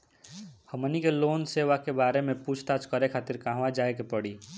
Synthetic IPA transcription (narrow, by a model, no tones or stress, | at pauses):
həmənikeloːnseːʋakebaːɾemẽpuːt͡ʃʰt̪at͡ʃkəɾekʰaːt̪ɪɾkaːɦʋad͡ʒaːekepəɽiː